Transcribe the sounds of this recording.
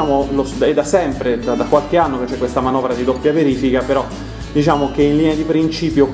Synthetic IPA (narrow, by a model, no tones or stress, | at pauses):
aːmolosɛd̪asɛmpɾed̪ad̪akwalkeanːoket͡ʃːɛkːwest̪amanɔvɾad̪id̪opːjaveɾiːfikapeɾɔ | d̪it͡ʃaːmokeinliːnead̪ipɾint͡ʃiːpjo